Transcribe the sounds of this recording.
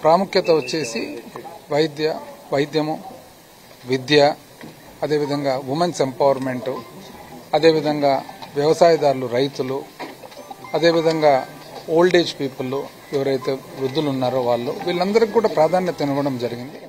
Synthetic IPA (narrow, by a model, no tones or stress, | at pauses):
pɾaːmukʰjɐt̪ɐʋot͡ʃːe̞ːsiʋɐjd̪jɐʋɐjd̪jɐmu | ʋid̪jɐ | ɐd̪e̞ːʋid̪ʱɐŋɡaːʋumɐnse̞mpɐʋɐɾme̞ɳʈu | ɐd̪e̞ːʋid̪ʱɐŋɡaːʋjɐʋɐsaːjɐd̪aːɾuluɾɐjt̪ulu | ɐd̪e̞ːʋid̪ʱɐŋɡaː | oːlɖe̞ːd͡ʒpiːpulːu | eʋɐɾɐjt̪e̞ːʋɾud̪ːulunːaːɾuʋaːɭːṵʋiːɭːɐnd̪ɐɾɐkːkːuːɽaːpɾaːd̪ʱaːnjɐt̪ɐniɾʋɐɽɐmd͡ʒɐɾiɡind̪i